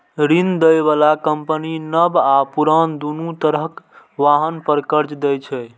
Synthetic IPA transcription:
ɾind̪əjbalakəmpəninəbapuɾənd̪unut̪əɾəɦkʋaɦənpəɾkəɾt͡ʃd̪ɛt͡ʃʰɛ

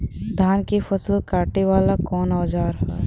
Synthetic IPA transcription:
d̪ʱaːnkefɐsəlkaːʈeʋaːlakɔːnɔːd͡ʒaːɾɦa̰ː

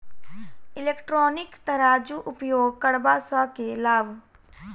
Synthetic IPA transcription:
ɪleːkʈɾɔːnɪkt̪əɾaːd͡ʒuʔʊpjoːɡkəɽbasakelaːbʱ

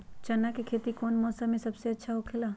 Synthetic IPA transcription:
t͡ʃɐnːakekʰeːt̪ikɔːnmɔːsamːẽsɐbseɐtːʃʰaɦokʰɪlaː

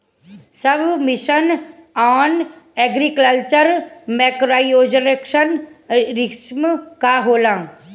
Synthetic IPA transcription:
səbʱmɪʃənaːnɛːɡɾikəlt͡ʃəɾmɛːkɾaːioːd͡ʒənekʃənɾɪksmkaɦoːlãː

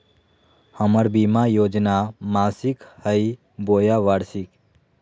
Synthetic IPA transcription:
həməɾbimajoːd͡ʒnamaːsikhəj | bojaʋaɽsik

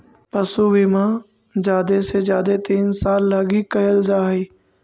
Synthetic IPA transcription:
pəsuʋimãː | d͡ʒjaːd̪esed͡ʒjaːd̪et̪iːnsaːlːaːɡikəjəld͡ʒaːɦiː

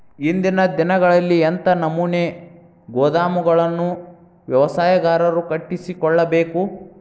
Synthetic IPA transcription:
ind̪inɐd̪inɐɡɐɭɐlːient̪ɐnɐmune | ɡoːd̪aːmuɡɐɭɐnːu | ʋjɐʋɐsaːjɐɡaːɾɐɾukɐʈːisikɔɭːɐbe̞ːku

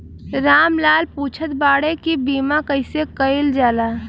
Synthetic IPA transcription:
ɾaːmlaːlpuːt͡ʃʰət̪baːɽekibiːmakəɪsekəɪld͡ʒaːlaː

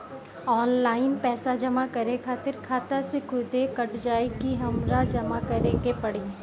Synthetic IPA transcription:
ɔːnlaːɪnpɛːsad͡ʒɐmakɐɾekʰaːt̪ɪɾkʰaːt̪asekʰʊd̪ekɐʈd͡ʒaːɪkiɦɐmɾad͡ʒɐmakɐɾẽɡepɐɽiː

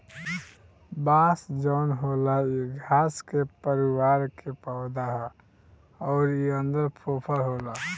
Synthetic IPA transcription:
basd͡ʒɔːnɦolaiɡʱaskepəɾiwaɾkepaʊd̪aɦɛ | ɔʊɾiənd̪əɾpʰopʰəlɦola

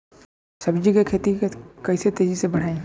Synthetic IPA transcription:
sɐbd͡ʒikekʰeːt̪ikɐiset̪eːzisebɐɽ̤aːẽː

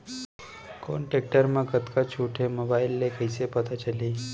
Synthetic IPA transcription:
ko̰ɳʈek̚ʈəɾməkət̪kat͡ɕʰuʈʰemobailːekəjsepət̪at͡ɕaliː

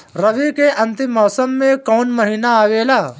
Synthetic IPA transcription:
ɾɐʋikeʔɐ̃nt̪ɪmɔːsəmːẽkɔːnmɐɦiːnaaːʋeːlaː

